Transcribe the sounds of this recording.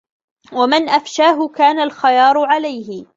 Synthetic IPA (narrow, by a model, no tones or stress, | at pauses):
wamɪnʔafʃaːɦʊkaːnalxajɑːɾˤʊʕalajhɪ